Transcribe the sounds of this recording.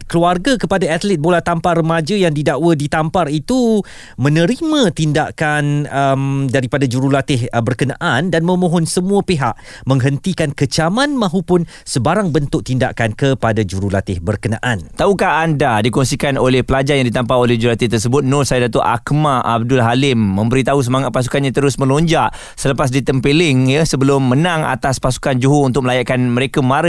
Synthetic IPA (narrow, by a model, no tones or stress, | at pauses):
kəluarɡakəpadaat̪lɛt̪̚bolat̪ampaɾəmad͡ʒajaŋdidaʔwadit̪amparit̪u | mə̃nə̃ɾimãt̪inda̰ʔkanəmdaɾipadad͡ʒuɾulat̪ɪhbərkənaʔandanmə̃mõɦɔnsəmũapeɦaʔmə̃ŋɦənt̪ikankət͡ʃamãnmãɦupʊn | səbaɾaŋbənt̪ʊʔ̚t̪inda̰ʔkankəpadad͡ʒuɾulat̪ɪhbərkənaʔant̪aukaːndadikɔnsikanolɛhpəlad͡ʒarjaŋdit̪ampaolɛhd͡ʒuɾlat̪ɪht̪ərsəbʊt̪̚nʊrsajadat̪oʔa̰kmaʔa̰b̚dʊlɦalɪmːə̃mbəɾit̪aus̬əmaŋat̪̚pas̬u̥kanɲãt̪əɾʊsmə̃loɲd͡ʒaʔ | sələpas̬dit̪əmpelɪŋjəsəbəlʊmːənãŋa̰t̪aspasu̥kand͡ʒuɦount̪ʊk̚məlajaʔkanməɾekamãɾə